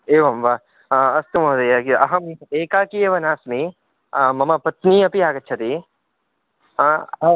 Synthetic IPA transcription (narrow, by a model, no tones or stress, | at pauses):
eːʋamʋa | ɐst̪ɐmoːd̪ɐjakiɐɦɐmieːkaːkieʋɐnaːsmi | amɐmapɐt̪niɐpiaːkɐtːʃʰɐt̪i | a